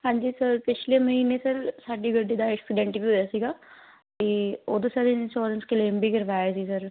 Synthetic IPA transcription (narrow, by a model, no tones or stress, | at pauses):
hãːɲd͡ʒiːsəɾpɪt͡ʃʰleməɦiːnesəɾsaːɖiɡəɖːid̪aɛksɪɖɛ̃ːɳʈifiɦoːjaːsiːɡaː | k̪eːoːd̪osəɾɪnʃoːɾənskeleːmbʱiːkəɾʋaːjasiːsəɾ